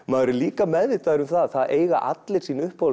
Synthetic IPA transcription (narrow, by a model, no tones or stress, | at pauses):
maðɾʏliːkamɛððɪt̪aðɾʏmθaðθaðeːjɣa̰ʔa̰t̪lɪɾ̥siːnʏhphow